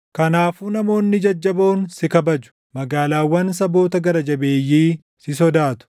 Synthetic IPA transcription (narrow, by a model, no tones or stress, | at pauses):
kɐnaːfunɐmo̞ːnːɪd͡ʒɐd͡ʒːɐbo̞ːnsɪkɐbɐd͡ʒʊ̥ | mɐɡaːlaːwːɐnsɐbo̞ːt̪ɐɡɐɾɐd͡ʒɐbeːjːiː | sɪs̬ɔd̪aːt̪ʊ̥